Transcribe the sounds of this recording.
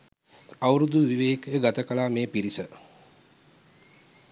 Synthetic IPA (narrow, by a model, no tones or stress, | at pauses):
awɾud̪uʋiʋeːkjəɡat̪əkəlaːmeːpiɾisə